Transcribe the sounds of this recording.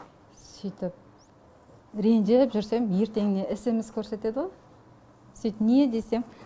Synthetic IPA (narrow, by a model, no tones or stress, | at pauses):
sijt̪ɪp̚ | ɾe̞nʒepʒʏɾse̞mje̞ɾt̪e̞ŋɪne̞ʔɪsɪmɪz̥kʲʰɵɾse̞t̪e̞d̪əʁoj | sijt̪ɪnied̪e̞se̞m